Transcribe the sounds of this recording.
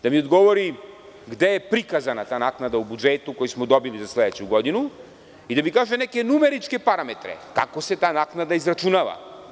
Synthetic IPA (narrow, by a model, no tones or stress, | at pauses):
d̪̥amiɔd̪ɡɔvɔɾi | ɡd̪ɛɛpɾikazanat̪aːnaknad̪aubud͡ʒɛt̪ukɔjismɔd̪ɔbilizaslɛd̪ɛt͡ʃuɡɔd̪inu | id̪amikaʒɛnɛkɛnumɛɾit͡ʃkɛpaɾamɛt̪ɾɛ̰ka̰kɔsɛt̪aːnaknad̪aizɾat͡ʃunava̰